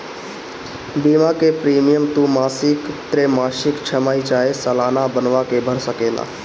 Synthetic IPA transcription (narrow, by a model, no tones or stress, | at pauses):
bimãkepɾiːmɪjəmt̪ũːmaːsɪkt̪ɾemaːʃɪkt͡ʃʰəmaːid͡ʒaːesəlaːnabənʋakebʱəɾsəkela̰ː